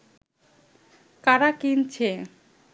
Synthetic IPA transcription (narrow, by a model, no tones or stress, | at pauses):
kaɾakint͡ɕʰe